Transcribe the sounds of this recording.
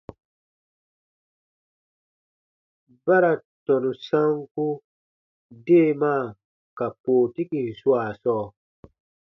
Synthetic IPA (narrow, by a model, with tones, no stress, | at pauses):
ba˦ɾa˨tɔ˨nũ˨sã˦ŋku˦ | de˦˨maː˦˨ | ka˨poː˨ti˦ki˨n˨su˦a˨sɔː˦˨